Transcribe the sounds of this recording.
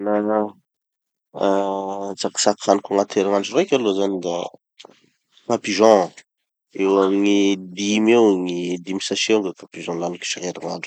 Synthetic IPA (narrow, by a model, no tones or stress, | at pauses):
na | t͡saksakfanikuŋat̪ʰeɾaŋaɳɖ͡ʐurakʲalozanid̪a | kapiʒɔ̃ | ewamiɲid̪imewŋid̪imisaʃeɡakapiʒɔ̃lanuki̥ʃaʁeɾaŋaɳɖ͡ʐu̥